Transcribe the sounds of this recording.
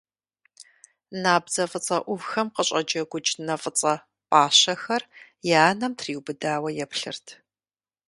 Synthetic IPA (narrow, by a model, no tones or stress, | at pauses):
naːbzɐfʼɨt͡sʼɐʔʷʊvxɐmqəɕʼɐd͡ʒɐɡʷʊt͡ʃʼnɐfʼɨt͡sʼɐ | pʼaːɕɐxɐr | jaːnɐmtʰriːwbɨdaːwɐjɛpɬɨrtʰ